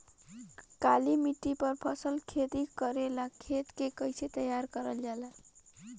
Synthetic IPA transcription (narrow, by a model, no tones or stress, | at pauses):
kalimiʈːipəɾpʰʌsəlkʰet̪ikəɾelakʰet̪kekəɪset̪əjaɾkəɾəld͡ʒala